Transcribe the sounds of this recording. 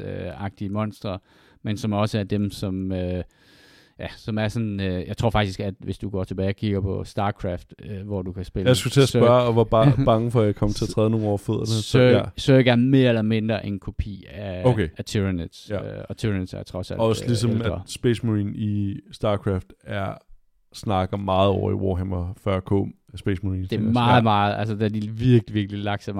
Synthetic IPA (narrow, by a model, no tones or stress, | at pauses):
øɑ̈ɡ̥̚d̥iəmɒ̽n̰sd̥ʁɐ | mensɒ̽mɒ̽səæɐd̥emsɒ̽mø | jæsɒ̽mæɐsɒ̽nøjɑ̈ɪt͡sʰo̝̰ɐfɑ̈ɡ̥̚d̥isɡ̥æd̥ʋe̝sd̥uɡ̥ɒ̰ːt͡sʰe̝b̥ɛːɪɒkʰiɡ̥ɐpʰɒ̽sd̥ɑ̈ːkʰʁɑfd̥øʋɒd̥ukʰæsb̥e̝lasɡ̥ut͡sʰe̝ɐsb̥ɶɐɒʋɑ̈b̥ɑ̥̈ːɑ̈ŋəfɒjäɪkʰɒ̽mt͡sʰe̝æɐt͡sʰʁɛːð̞ˠno̝ːn̩ɒ̰føð̰ˠɐnəøsøːɡ̥æɐnme̝ːɐelɐme̝nd̥ʁɐʔe̝nkʰo̝pʰḭːæokʰeæt͡sʰiʁned̥sɒt͡sʰiʁned̥sæɐt͡sʰʁɒ̽sæ̰lɒslisɒ̽mæ̥sb̥esmoʁiːnisd̥ɑ̈ːkʰʁɑfd̥æɐ | snɑ̈ɡ̥ɐmɑ̈ːð̞̩ˠɒʊɐiwo̰ɦemɒfɶɐ̰kʰo̰ | sb̥esmoiːnsde̝mɑ̈ːð̩ˠmɑ̈ːð̩ˠæls̬əd̥æɐdiʋiɐɡ̥liʋiɐɡ̥əlilɑ̈ɡ̥sɑm